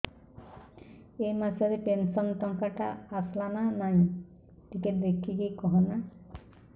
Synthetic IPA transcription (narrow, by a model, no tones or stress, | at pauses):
emasɔɾipensɔnt̪ɔŋkaʈa̰ːslananaĩ | tiketd̪ekʰikekɔɦɔna